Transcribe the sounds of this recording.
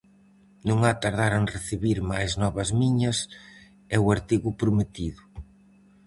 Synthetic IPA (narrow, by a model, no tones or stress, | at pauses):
nũŋat̪aɾðaɾaŋreθiβiɾmajznɔβɐzmiɲɐs | ɛwaɾt̪iɣʊpɾʊmet̪iðʊ